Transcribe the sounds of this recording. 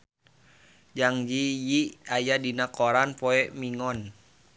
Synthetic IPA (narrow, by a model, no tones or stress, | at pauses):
d͡ʒaŋd͡ʒijiajadinakɔɾanpɔɛmiŋɔn